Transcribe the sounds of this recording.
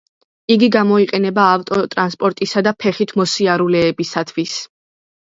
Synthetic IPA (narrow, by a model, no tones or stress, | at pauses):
iɡiɡamɔiqʼɛnɛbaːft̪ʼɔt̪ʼɾanspʼɔɾt̪ʼisad̪apʰɛχit̪ʰmɔsiaɾulɛːbisat̪ʰwis